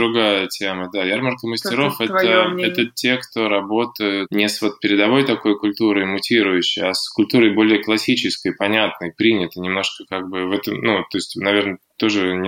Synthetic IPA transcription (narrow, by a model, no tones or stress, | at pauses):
ɾʊɡajətʲeməd̪ajarmərkəməsʲtʲɪɾo̞fɛt̪əɛt̪ətʲekt̪o̞ɾɐbo̞t̪əjʊt̪nʲɪsvo̞t̪̚pʲɪɾʲɪd̪ɐvo̞jt̪ɐko̞jkʊlʲt̪uɾəjmʊtʲiɾʊjʉɕːɪjaskʊlʲt̪uɾəjbo̞lʲɪjəklˠɐsʲit͡ɕɪskəjpɐnʲat̪̚nəjpɾʲinʲɪt̪ənʲɪmno̞ʂkəkaɡ̚bɨvɛt̪əmnut̪o̞ɪsʲtʲnɐvʲe̞rnət̪o̞ʐɨ